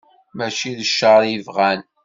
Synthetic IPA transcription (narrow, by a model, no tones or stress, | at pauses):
mæt͡ʃiðəʃːəɾˤivʁæn